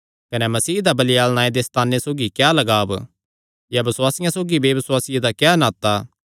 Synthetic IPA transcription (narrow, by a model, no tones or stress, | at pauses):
kɐnɛmɐsiːd̪abɐlɪjaːlñaːẽd̪est̪aːnːesoːɡikjaːlɐɡaːb | jabɐswaːsɪjãsoːɡibeːbɐswaːsɪjed̪akjaːnaːt̪ːa